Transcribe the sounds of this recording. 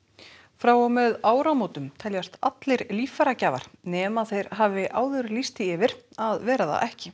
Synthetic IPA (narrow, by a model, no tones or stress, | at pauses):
fɾaːwɔmɛðaːwɾamoːt̪ʏmt̪ʰɛljast̪at̪lɪjɾliːfaɾacaːva̰ɾ̥nɛːmaθejɾ̥ɦaːvɪʔaːwðʏɾlist̪ɪɪvɪɾ̥aðvɛːɾaða̰ʔɛhcɪ